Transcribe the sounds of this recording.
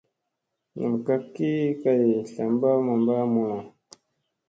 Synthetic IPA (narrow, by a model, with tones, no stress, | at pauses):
nṵ˨m˨ka˦kːi˦ka˦je˨ɬa˨mba˦ma˨mba˦mu˨la˨